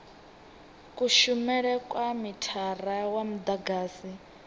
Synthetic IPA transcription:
kuʃumɛɺɛkʼwamitʰarawam̩d̪aɡaːsi

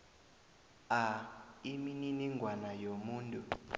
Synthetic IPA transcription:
aimininiŋɡʱwanajomuːntʼu

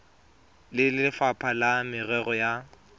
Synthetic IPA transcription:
lɪlɪfapʰalamɪrɛɣɔja

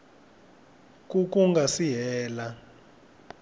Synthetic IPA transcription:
k̬ʼuk̬ʼuŋɡʱasiɦɛːla

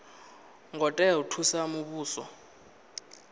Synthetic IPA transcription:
ŋɡʱɔtʼɛutʰusamuɓuːsɔ̰

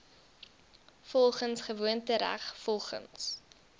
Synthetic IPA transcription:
fɔlˠχənsχəvuəntəɾæ̰χfɔlˠχə̰ns

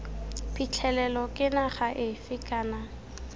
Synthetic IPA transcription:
pʼit͡ɬʰɛlɛlɔkʼɪnaχaʔɪfɪkʼaːna

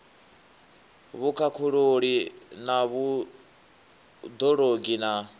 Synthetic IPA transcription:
βukʰakʰuɺoɺinaβu | d̪ɔɺoɡina

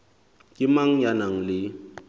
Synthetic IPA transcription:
kʼɪmaŋ̩janaŋ̩lɪ

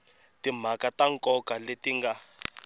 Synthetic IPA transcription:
tim̤akataŋkʼɔkaletiŋɡa

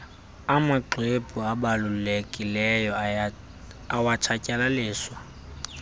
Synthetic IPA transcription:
amaǃepʼuabalʊlekʼilɛjɔ | awat͡ʃʰacʼɛlalɪːswa

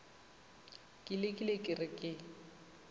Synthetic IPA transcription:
kʼɪlɪkʼɪlekʼɪrɪkʼɪ

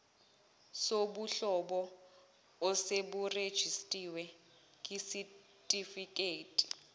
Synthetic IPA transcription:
sobuɬɔɓɔː | seɓured̥ʒ̥ʱistʼiwɛ | kʼisi | tʼifikʼeːtʼi̥

